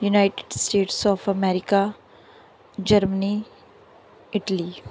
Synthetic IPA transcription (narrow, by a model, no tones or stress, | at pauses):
junaɪʈɪ̥ɖsʈeːʈsɔːfɐmɛːɾɪka | d͡ʒɐɾməni | ɪʈəli